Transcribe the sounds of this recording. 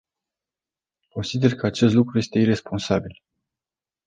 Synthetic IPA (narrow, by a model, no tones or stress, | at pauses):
ko̞nsid̪e̞rkəat͡ʃe̞st̪lukɾuje̞st̪e̞iɾe̞spo̞nsabil